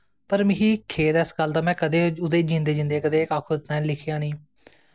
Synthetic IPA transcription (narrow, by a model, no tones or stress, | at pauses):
pəɾmɪ̃ɦiːkʰeːd̪ɪsɡəld̪aːmɛ̃ːkəd̪eːʊd̪eːd͡ʒĩːnd̪eːd͡ʒɪ̃nd̪eːkəd̪eːkaːkʰoːd̪ɪt̪nãːlɪkʰːãːniː